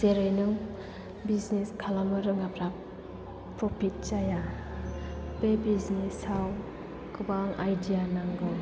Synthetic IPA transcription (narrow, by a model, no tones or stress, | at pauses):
seɾɯjnɯŋ | bizneskʰalamɯɾɯŋapɾap̚ | pɾɔpʰit̚t͡ʃaja | bebiznesaw | kɯbaŋajdijanaŋɡɯw